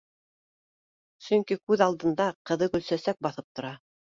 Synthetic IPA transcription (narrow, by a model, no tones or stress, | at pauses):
sɵŋkikʉðɑlˠd̪ɤ̆nd̪ɑqɤ̆ðɤkɵ̆lsæsæk̚bɑθɤp̚t̪ŏɾɑ